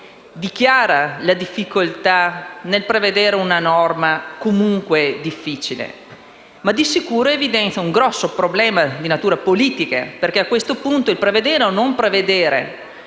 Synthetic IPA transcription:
d̪ik̟jaːɾalad̪ifːikolt̪anelpɾeved̪eːɾeunanɔrmakomuŋkwed̪ifːiːt͡ʃilḛ | mad̪isikuːɾoevid̪ɛnt̪sjauŋɡɾɔsːopɾoblɛːmad̪inat̪uːɾapoliːt̪ikḛperkeakːwest̪opunt̪oilpɾeved̪eːɾeonompɾeved̪eːɾḛ

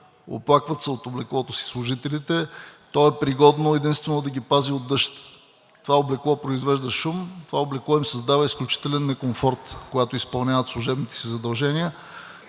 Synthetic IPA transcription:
o̰plˠakvət̪səot̪oblɛklˠɔt̪osi̥slˠʊʒit̪ɛlit̪ɛt̪ɔɛpɾiɡɔd̪noɛd̪inst̪vɛnod̪ɐɡʲipaziod̪ːɤʃt̪ | t̪ovaoblɛklˠɔpɾoizvɛʒd̪ɐʃumt̪ovaoblɛklˠɔimsɐzd̪avəisklʲut͡ʃi̥t̪ɛlɛnːɛkomfɔɾt̪koɡat̪oispɐlˠnʲavət̪slˠʊʒɛbnit̪ɛ̥sizɐd̪ɐlˠʒɛniə

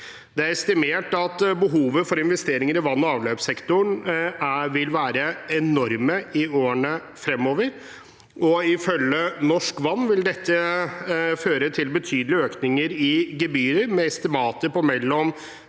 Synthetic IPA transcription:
d̪ɛæɾɛst̪ɪmeːʈɑt̪bəɦuːʋəfɔɾɪnʋɛst̪eːɾɪŋəɾɪʋɑnːɔɑːʋløːpsɛkt̪ʊɳæʋɪlʋæːɾəɛnɔɾməɪoːəɳə | fɾɛmːoːʋəɾ | ʔɔɪfœlːənɔʂkʋɑnːʋɪld̪ɛt̪ʰːə | føːɾət̪ʰɪlbət̪ʰyːd̪əlɪøːknɪŋəɾɪɡəbyːɾəɾmɛɛst̪ɪmɑːt̪əɾpɔmɛlːɔm

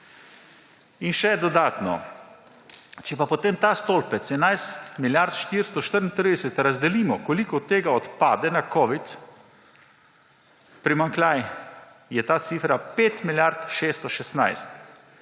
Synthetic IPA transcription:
inʃɛd̪ɔd̪aːt̪nɔ̰ | t͡ʃɛpapɔt̪emt̪aːst̪olpɛsɛnajst̪miljaɾt̪ʃt̪iɾst̪ɔʃt̪əɾnt̪ɾid̪ɛsɛt̪ɾazd̪ɛliːmɔkɔlikɔt̪ːeːɡaɔt̪paːd̪ɛnakɔʋit̪ | pɾimaŋklʲaj | jɛt̪aːt̪siːfɾapeːt̪miljaɾt̪ʃeːst̪ɔʃɛst̪najst̪

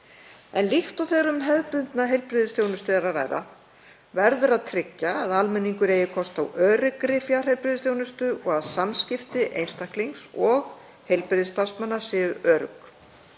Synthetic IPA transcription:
ɛnlixt̪ɔwθɛːɾʏmɦɛðpʏnt̪naɦejlpɾɪðɪst̪jownʏst̪ɪðɾaɾa̰ːjɾa̰ | vɛɾðʏɾaðt̪ʰɾɪcːaːðalmɛnːiŋkʏɾeːjɪkʰɔst̪a̰wœːɾʏkɾɪfjar̥hejlpɾɪðst̪jownʏst̪ʏʔɔɣaðsamscɪft̪ɪʔḛjnst̪akliŋksɔɣ | hejlpɾɪðst̪asmanːasɪːʏœːɾʏ̰k

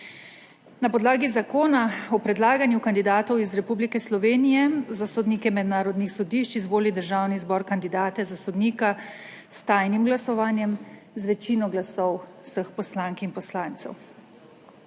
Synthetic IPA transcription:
napɔd̪laːɡizakoːnaɔpɾɛd̪laːɡanjukand̪id̪aːt̪ɔwizɾɛpublikɛslɔʋeːnijɛzasɔd̪niːkɛmɛd̪naːɾɔd̪nixsɔd̪iːʃt͡ʃizʋoːlid̪əɾʒaːwnizbɔːɾkand̪id̪aːt̪ɛzasɔd̪niːka | st̪aːjnimɡlasɔʋaːnjɛm | zʋɛt͡ʃiːnɔɡlasɔw | səxpɔslaːŋkinpɔslaːnt̪sɛ̰w

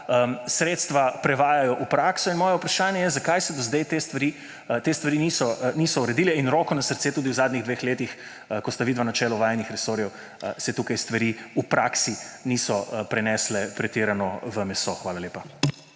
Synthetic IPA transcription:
əsɾeːt̪st̪ʋapɾɛʋaːjajɔʔupɾaːksɔinmɔːjɛupɾaʃaːnjɛjɛzakajsɛd̪ɔzd̪ɛjt̪est̪ʋaɾiː | t̪eːst̪ʋaɾinisɔnisɔuɾɛd̪iːlɛinɾɔːkɔnasəɾt̪seːt̪uːd̪iwzaːd̪niɣd̪ʋeːxleːt̪ix | kɔst̪aʋid̪ʋanat͡ʃɛːlɔʋaːjnixɾɛsoːɾjɛw | sɛt̪uːkajst̪ʋaɾiːupɾʔaːksinisɔpɾɛnɛːslɛpɾɛt̪iːɾanɔʋəmɛsoxʋaːlaleːpa

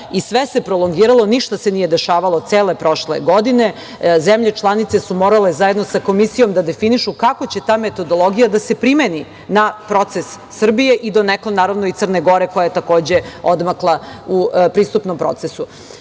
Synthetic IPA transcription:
isʋese̞pɾolˠoŋɡiːɾalˠoniʃt̪asenije̞d̪e̞ʃaːʋalˠoseːle̞pɾo̞ʃlḛɡo̞d̪ine̞ | zemʎe̞t͡ʃlˠanit̪sesumo̞ɾale̞zajed̪nosako̞misijo̞md̪ad̪e̞finiʃukako̞t͡ɕe̞t̪aːme̞t̪o̞d̪o̞lˠo̞ɡijad̪ase̞pɾimeni | napɾo̞t̪sesːr̩bije̞ʔid̪o̞neklˠonaːɾaʋnoit̪sərneɡo̞ɾe̞ko̞jajet̪ako̞ːd͡ʑe̞od̪maklˠaupɾiːst̪upno̞mpɾo̰t̪sesu

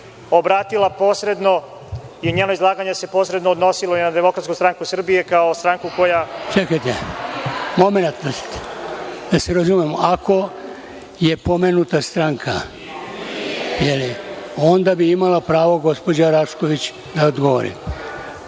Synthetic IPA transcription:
obɾaːt̪ilˠapo̞ːsɾe̞d̪no̞ | iuɲeːnoizlˠaːɡaɲese̞posɾed̪noːd̪no̞siloinad̪emo̞kɾat̪skust̪ɾaŋkusr̩bije̞kaost̪ɾaŋkuko̞jat͡ʃekajt̪e | mo̞me̞nat̪̚d̪as | d̪̥aseɾazumemakʰo̞ | je̞po̞menut̪ast̪ɾaŋkʰa | jelio̞nd̪abiimalapɾaːʋo̞ɡo̞spo̞d͡ʑaɾaʃkoʋit͡ɕ | d̪aod̪ɡoʋo̰ɾḭm

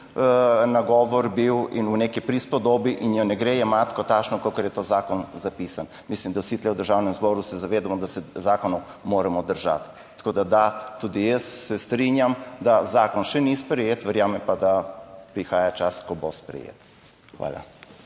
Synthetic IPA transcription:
naɡɔːʋɔɾbiwinunekipɾispɔd̪oːbiʔinjɔnɛɡɾejɛmat̪kɔt̪at͡ʃnɔkokɔɾjɛt̪oːzaːkɔnzapiːsan | mislimd̪awsit̪lɛwd̪əɾʒaːwnɛmzbɔːɾusɛzaʋeːd̪amɔd̪asɛzaːkɔnɔw | moːɾɛmɔd̪əɾʒa̰t̪ː | ḁkoːd̪ad̪at̪ud̪ijəsːɛst̪ɾinjamd̪azaːkɔnʃɛnispɾɛjeːt̪ʋɛɾjaːmɛmpad̪apɾixaːjat͡ʃaskɔbospɾɛ̰jḛt̪ | xʋa̰ːla̰

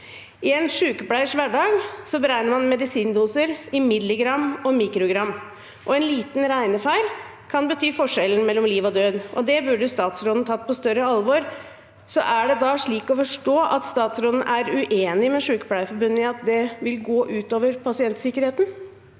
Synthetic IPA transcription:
ɪɛnʂʉːkəplæɪʂʋæɖɑːɡsɔbəɾæɪnəɾmɑnmɛd̪ɪsiːnd̪uːsəɾɪmɪd̪lɪɡɾɑmːɔmiːkɾʊɡɾɑmː | ʔɔɛnliːt̪n̩ɾæɪnəfæɪl | kʰɑnbət̪ʰyːfɔʂɛln̩mɛlːɔmliːʋɔd̪øːd̪ʔɔ̰d̪ɛbʉɖəst̪ɑːt̪sɾoːd̪n̩t̪ʰɑt̪̚ːpʰɔst̪œɾəɑlʋɔɾ | sɔ̰ʔæɖɛd̪ɑːʂɭiːkɔfɔʂʈoːʔɑt̪st̪ɑːt̪sɾɔːd̪n̩ʔæɾʉʔeːnɪmɛʂʉːkə̥plæɪfɔɾbʉnːəɑt̪d̪ɛʋɪlɡoːʔʉːt̪oːʋəɾpʰɑsɪɛnt̪sɪkːəɾheːt̪n

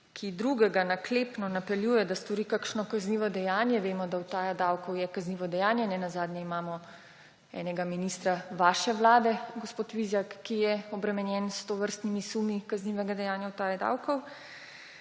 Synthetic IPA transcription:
kʰid̪ɾuɡɛɡanakleːpnɔnapɛljuːjɛd̪ast̪ɔɾikakʃnɔkazniːʋɔd̪ɛjaːnjɛʋeːmɔd̪awt̪aːjad̪awkɔwjɛkazniːʋɔd̪ɛjaːnjɛnɛnazaːd̪njɛimaːmɔ | ɛ̰ːnɛɡaminist̪ɾaʋaːʃɛʋlaːd̪ɛɡospoːt̪ʋizjakːijɛɔbɾɛmɛnjɛnst̪oʋəɾst̪nimisumikazniʋɛɡad̪ɛjaːnjawt̪aːjad̪a̰wkɔw

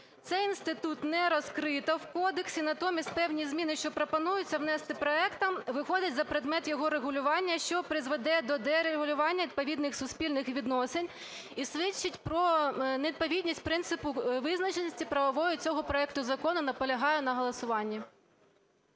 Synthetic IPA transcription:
t̪sɛjinst̪ɪt̪ut̪nɛɾɔskɾɪt̪ɐwkɔd̪eksʲinɐt̪ɔmʲisʲtʲpɛwnʲizmʲinɪʃt͡ʃɔpɾopɔnujʊt͡sʲːɐwnɛst̪ɪpɾɔɛkt̪ɐmʋɪxɔd̪ʲɐtʲzɐpɾed̪mɛt̪jɔɦɔɾeɦʊlʲʊʋɑnʲːɐʃt͡ʃɔpɾɪzʋed̪ɛd̪ɔd̪ɛɾeɦʊlʲʊʋɑnʲːɐʋʲid̪̚pɔʋʲid̪nɪxsʊsʲpʲilʲnɪxʋʲid̪nɔsenʲ | isʋɪt͡ʃːɪtʲpɾɔneid̪̚pɔʋʲidʲnʲisʲtʲpɾɪnt̪sɪpʊʋɪznɐt͡ʃenʲisʲtʲipɾɐʋɔʋɔjʊt͡sʲɔɦɔpɾɔɛkt̪ʊzɐkɔnʊnɐpɔlʲɐɦɑjʊnɐɦɔlˠɐsʊʋɑnʲːi

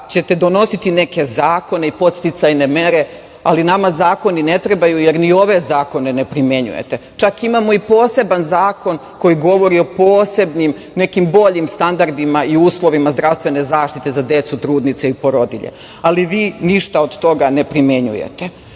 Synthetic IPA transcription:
t͡ɕe̞t̪e̞d̪o̞no̞sit̪ineke̞zaːko̞neipo̞t̪st̪it̪sajne̞me̞ɾe̞ | alinamazaːko̞nine̞t̪ɾe̞bajuje̞ɾnio̞ʋe̞zaːko̞ne̞ne̞pɾime̞ɲṵje̞̰t̪et͡ʃakimamo̞ipo̞ːse̞banzaːko̞n | ko̞jiɡo̞ʋo̞ɾio̞poːse̞bnim | ne̞kimbo̞ʎimst̪and̪aɾd̪imaiuːslˠo̞ʋimazd̪ɾaʋst̪ʋe̞ne̞zaːʃt̪it̪e̞zad̪e̞t̪sut̪ɾuːd̪nit̪seipo̞ɾo̞d̪ḭʎḛ | aliʋiːniʃt̪aod̪t̪o̞ɡane̞pɾime̞ɲṵjḛt̪e

